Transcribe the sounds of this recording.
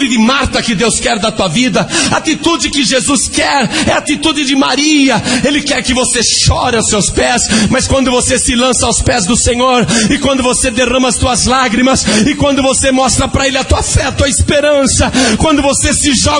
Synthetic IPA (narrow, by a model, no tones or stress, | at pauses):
d͡ʒɪd͡ʒɪmaɾt̪ɐkɪd̪ewskɛɾd̪ɐt̪uɐvid̪ɐat̪it̪ud͡ʒɪkɪʒezuskɛɾɛat̪it̪ud͡ʒɪd͡ʒɪmaɾiɐelɪkɛɾkɪvoseʃɔɾɪawsːewspɛsmɐskwɐ̃nd̪ʊvosesɪlɐ̃sɐawspɛzd̪ʊsẽɲoɾɪkwɐ̃nd̪ʊvosed̪eʁɐ̃mɐst̪uɐzlaɡɾimɐsɪkwɐ̃nd̪ʊvosemɔst̪ɾɐpɾɐelɪɐt̪uɐfɛɐt̪uɐɪspeɾɐ̃sɐkwɐ̃nd̪ʊvosesɪʒɔ